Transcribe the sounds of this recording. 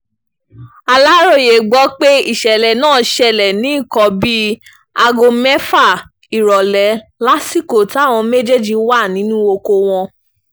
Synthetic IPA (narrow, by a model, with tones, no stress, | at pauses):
a˧la˦ɾo˦˧˨je˨ɡ͡bɔ˨˦k͡pe˦i˦˨ʃɛ˨lɛ˨nãː˦˨ʃɛ˧˨lɛ˨nĩ˨˦i˦˨kɔ˨˦bi˦ | a˧ɡo˧mɛ˦fa˦˨ | i˨ɾɔ˨lɛ˨˦la˦si˦˨ko˨ta˨˦˨w̃ɔ̃˧me˦d͡ʒe˦d͡ʒi˧wa˦˨nĩ˨˦nũ˦o˧ko˧w̃ɔ̃˧